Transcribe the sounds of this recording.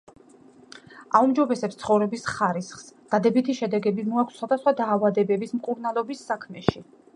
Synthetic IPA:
aumd͡ʒɔbɛsɛpst̪sʰχɔvɾɛbisχaɾisχsd̪̥ad̪ɛbit̪ʰiʃɛd̪ɛɡɛbimɔakʷʰsːχwad̪asχwad̪aːvad̪ɛbɛbismkʼuɾnalˠɔbisːakʰmɛʃi

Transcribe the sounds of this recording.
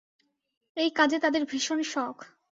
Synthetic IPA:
ejkad͡ʑet̪ad̪eɾbʱiʃonʃɔkʰ

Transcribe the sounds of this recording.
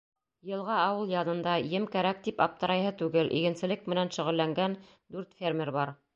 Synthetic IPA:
jɤ̆lˠʁɑɑwɤlˠjɑnɤ̆nd̪ɑjɘmkæɾæk̚t̪ipɑp̚t̪ɤ̆ɾɑjɦɤt̪ʉɡɘlʔḭɡɘ̆nsɘ̆lɘk̚mɘ̆nænʃŏʁɘ̆lːæŋɡæn | d̪ʉɾt̪fʲermʲeɾbɑɾ

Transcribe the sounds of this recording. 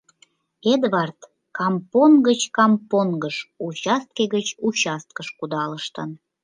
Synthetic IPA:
ed̪βɑrt̪ | kɑmponɡət͡ɕkɑmponɡəʃut͡ɕɑst̪̚keɣət͡ɕut͡ɕɑst̪̚kəʃkud̪ɑləʃt̪ən

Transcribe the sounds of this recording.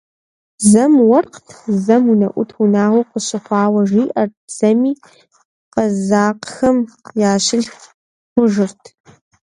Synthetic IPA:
zɐmwɐrqtʰzɐmunɐʔʷʊtʰunaːʁʷʊqəɕɪχʷɑːwɐʒiːʔɐrtz̥ɐmiː | qɐzaːqxɐmjaːɕɪɮ | qʷʊʒɪrtʰ

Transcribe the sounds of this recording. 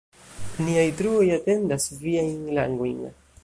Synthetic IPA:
niajt̪ɾuojat̪e̞nd̪asviajŋla̰ŋɡojŋ

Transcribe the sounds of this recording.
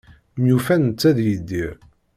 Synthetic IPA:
mjufænnt͡sːæðjəd̪ːiɾ

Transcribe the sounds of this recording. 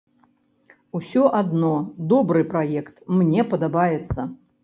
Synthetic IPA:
usʲɔʔad̪nɔd̪ɔbɾɨpɾajɛkt̪mnʲɛpɐd̪abajɛt̪sːɐ

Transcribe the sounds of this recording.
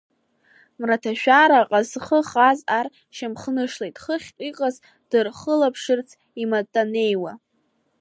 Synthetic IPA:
mratʰaʃᶣaɾaqʼazχəχazar | ʃamχnɨʂlejtʼχəχʲʼiqʼaz | d̥ɨrχəlapʰʂɨrt͡sʰ | imatʼːane̞jwa

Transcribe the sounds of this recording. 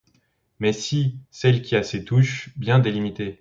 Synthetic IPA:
mɛsisɛlkʲiaset̪uʃbjɛ̃d̪elimit̪e

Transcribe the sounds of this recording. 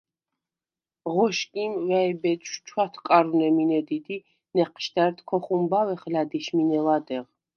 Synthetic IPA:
ʁɔʃkʼimvɛɛbɛt͡ʃ̪ʃt͡ʃʰwat̪ʰkʼaɾunɛminɛd̪id̪i | nɛqʰʃd̪æɾt̪ʰkʰɔχumbawɛχlad̪iʃminɛlˠad̪ɛʁ

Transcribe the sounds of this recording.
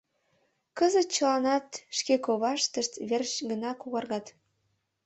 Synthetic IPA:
kɤzə̆t̪̚t͡ɕə̆lɑnɑt̪ʃkekoβɑʃt̪ə̆ʃt̪βerɕɡə̆nɑkuɣɑrɣɑt̪

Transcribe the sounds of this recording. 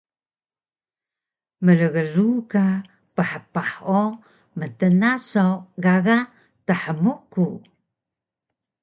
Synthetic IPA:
mələɣəɾuka | pəħəpaħo | mətənasowɡaɣa | təħəmuku

